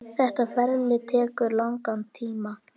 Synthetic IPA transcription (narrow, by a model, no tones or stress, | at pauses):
θɛht̪afɛɾlɪt̪ʰɛːkʏɾlawŋkant̪ʰiːma